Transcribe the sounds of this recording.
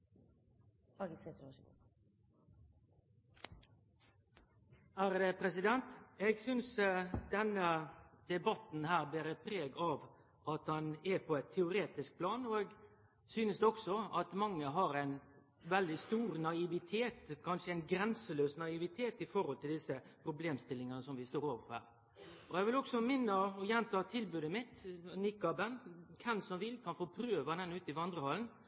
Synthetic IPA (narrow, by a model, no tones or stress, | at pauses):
ɑːɡɪsɛt̪ɾosu | æːɾd̪ɛpʰɾɛsɪd̪ɛnt̪ɛɡsʏnsd̪ɛnəd̪̥ɛbɑt̪n̩hæːʁbliːɾɛpʰɾeːɡɑʋ | ʔɑt̪hɑnɛpʰɔɛt̪ʰːɛʊɾeːt̪ɪsk̚pʰlɑːnɔɛɡ | syːnəsd̪ɔksɔɑt̪mɑŋːəɦɑɾæɪn | ʋɛld̪ɪst̪uːɾnɑɪʋɪt̪ʰeːt̪kʰɑnʂəæɪnɡɾɛnsəløːsnɑɪʋɪt̪ʰeːt̪ɪfɔɾhɔlt̪ʰɪld̪ɪsəpʰɾʊbleːmst̪ɪlːɪŋɑnəsɔmʋɪst̪oːɾoːʋəɾpɔhæ̰ːɾ | ɔɛɡʋɪlɔksɔmɪnːəɔjɛnt̪ʰɑːt̪ʰɪlbʉːd̪əmɪt̪nɪkːɑbɛnkʰɛnsɔmʋɪlːkʰɑnfoːpʰɾøːʋɑd̪ɛnʉːt̪ɪʋɑnd̪ɾəhɑln